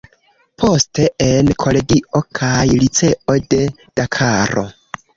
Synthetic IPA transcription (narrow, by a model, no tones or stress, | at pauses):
pʰo̞ste̞enkʰo̞le̞ɡio̞kʰajlit͡se̞ʔo̞de̞ | d̥akʰaɾo̞̰